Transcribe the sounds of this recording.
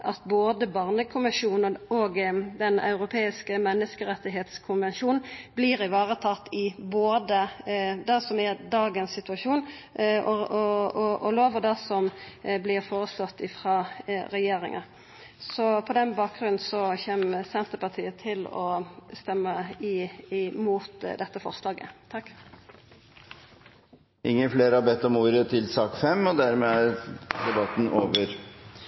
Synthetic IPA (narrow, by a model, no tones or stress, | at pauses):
ʔɑt̪boːd̪əbɑːʁnəkʰʊmɪʂuːnəɔɡd̪ɛnɑ̰ʉɾʊpʰeːɪskəmɛnːəskəɾɛt̪ːɪɦeːt̪skʰʊnʋɛnʃuːnn̩blɪʁɪʋɑːʁət̪ʰɑt̪ːɪboːd̪əd̪ɛsɔmɛd̪ɑːɡənsɪt̪ʉɑʂuːn | ɔɔɔɔloːʋəd̪ɛsɔmblɪʁfoːʁəslɔt̪ːɪfʁɑːɾɛjeːɾɪ̰ŋɑ̰ | sɔpʰɔd̪ɛnbɑːk̚ɡʁʉnn̩sɔçeːmsɛnt̪əpɑʁt̪ʰiːət̪ʰɪlɔ̰st̪ɛmːəɪmuːt̪d̪ɛt̪ːəfɔʁslɑːɡə̰t̪ʰɑkː | ʔɪŋːəfleːɾəɑbɛt̪ːɔmuːɾət̪ʰɪlsɑːkfɛmːɔd̪æɾmeæɾd̪ɛbɑt̪ːn̩ʔoːʋəɾ